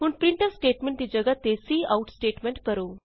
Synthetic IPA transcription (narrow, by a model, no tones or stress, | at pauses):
ɦuːɳpɾiɳʈəsʈeːʈmẽɳʈt̪iːd͡ʑəɡat̪ːesiːauʈsʈeːʈmẽɳʈkəɾo